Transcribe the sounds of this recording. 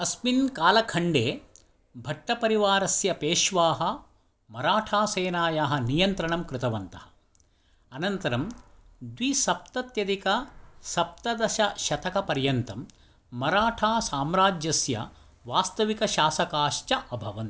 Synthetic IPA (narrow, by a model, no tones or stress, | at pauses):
ɐsminkaːlɐkʰɐɳɖeː | bʱɐʈːɐpɐɾiʋaːɾɐsjɐpeːʃʋaːɦɐ̆ | mɐɾaːʈʰaːseːnaːjaːɦɐ̆nijɐnt̪ɾɐɳɐmkɾɪt̪ɐʋɐnt̪ɐhɐ̥ | ɐnɐnt̪ɐɾɐm | d̪ʋisɐp̚t̪ɐt̪jɐd̪ikɐsɐp̚t̪ɐd̪ɐʃɐʃɐt̪ɐkɐpɐɾjɐnt̪ɐmː | ɐɾaːʈʰaːsaːmɾaːd͡ʒjɐsjɐ̰ | ʋaːst̪ɐʋikɐʃaːsɐkaːʃt͡ʃɐʔɐbʱɐʋɐnt̪